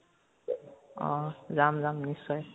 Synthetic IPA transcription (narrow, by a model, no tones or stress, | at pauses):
ʌ̰̃d͡zamd͡zamnisʌj